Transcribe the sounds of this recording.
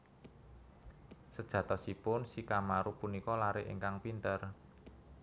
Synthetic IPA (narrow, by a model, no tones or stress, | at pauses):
səd̥ʒ̥ä̤t̪ɔsipʊnsikamaɾupunikɔlaɾɪʔḛŋkaŋpint̪ər